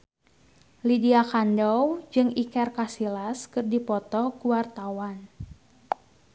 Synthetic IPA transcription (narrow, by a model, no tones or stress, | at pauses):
lidiakandɔwd͡ʒɨŋikɛrkasilaskɨrdipɔt̪ɔkuwart̪awan